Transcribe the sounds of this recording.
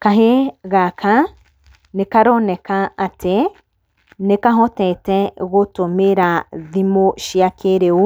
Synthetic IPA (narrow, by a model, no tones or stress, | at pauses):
kaɦeɣakʰã | nekaɾonekaat̪ʰe | nekaɦot̪ẽtẽɣot̪omeɾaðimoʃiakʰeɾeu